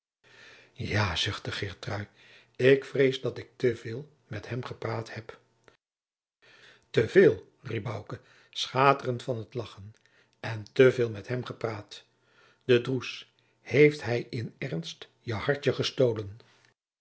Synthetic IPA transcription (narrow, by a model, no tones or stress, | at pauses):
jaːzʏχtdəχɪɹtrœɥ | ɪkfrejzdɑtɪk̚təvɪːlˠ | mɛtɦɛmχəpraːthɛp | təvɪːlˠ | rib̚bɑwkə | sχaːtərəntfɑnɦətlɑχən | ɛntəvɪːlˠmɛtɦɛmχəpraːt | d̥ədrus | hejftɦɛjɪnɛrnst | jəhɑɹt͡ʃəχəstowlən